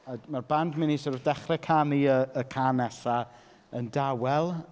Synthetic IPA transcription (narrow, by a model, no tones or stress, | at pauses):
amarbandmɪnisɔɾudɛχrɛkʰamiəəkʰaːnɛsa | əndawɛlˠ